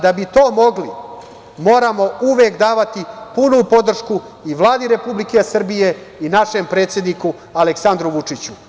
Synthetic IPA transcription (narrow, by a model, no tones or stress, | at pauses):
d̪abit̪oːmo̞ɡli | mo̞ːɾamo̞uʋeːkd̪aːʋat̪ipunupo̞d̪r̩ʃku | iʋlˠaːd̪iɾe̞publike̞sr̩bije̞inaʃe̞mpɾe̞ːt̪sjed̪niku | aleksand̪ɾuʋut͡ʂit͡ɕu